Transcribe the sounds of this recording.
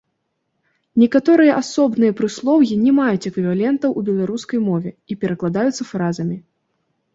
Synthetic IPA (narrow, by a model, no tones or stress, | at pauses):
nʲɛkat̪ɔɾɨjɐʔasɔbnɨjɐpɾɨslˠɔwjʲinʲɛmajut͡sʲɛkvʲivalʲɛnt̪ɐwʔubʲɛlˠaɾuskɐjmɔvʲɛipʲɛɾɐklˠad̪ajut̪sːɐfɾazɐmʲi